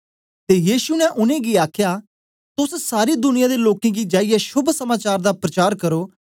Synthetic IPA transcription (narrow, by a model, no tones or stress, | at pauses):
t̪eːjiːsunɛ̃ʔʊnẽːɡiaːkʰja | t̪ʊssaːɾiːd̪ʊnɪjãːd̪eloːkẽːɡid͡ʒaːijɛʃʊbʱsəmaːt͡ʃaːɾd̪aːpɾət͡ʃaːɾkəɾoː